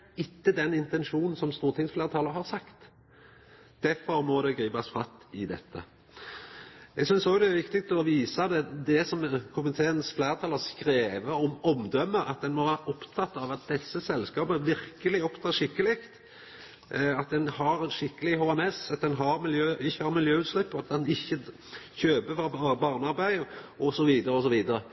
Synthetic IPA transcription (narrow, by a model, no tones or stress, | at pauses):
ɪt̪ːəd̪ɛnɪnt̪ɛnʂuːnn̩sɔmst̪uːʁt̪ʰɪŋsflæːɾət̪ʰɑːləɾhɑʁsɑkt̪ | d̪̥æɾfɔɾmɔd̪ɛɡɾiːbɑsfɑt̪ɪd̪ɛ̰t̪ʰːə̰ | ɛɡsʏnsɔɡd̪ɛæɾʋɪkt̪ɪɡk̚t̪ɔʋiːsɑd̪ɛd̪ɛsɔmkʰʊmət̪ʰeːənsflæːɾət̪ʰɑːləskɾeːʋəɔmɔmd̪œmːəɑ̰t̪̚d̪ɛnmɔʋæːɾɑʔɔpt̪ʰɑt̪ːɑʋɑt̪̚d̪ɛsːəsɛlskɑːpəəʋɪɾkəlɪɔpt̪ʰɑːʂɪkːəlɪkt̪ | ɑt̪̚d̪ɛnhɑɾɛnʂɪkːəlɪɦoːɛmɛsɑt̪̚d̪ɛnɦɑɾmɪljøːɪçːəhɑɾmɪljøːʉt̪slɪpːɔɑt̪̚d̪ɛnɪçːə | çøːbəfɾɑbɑːʁnɑɾbæɪɔsɔʋiːd̪əɾəɔs̬ɔʋiːd̪əɾə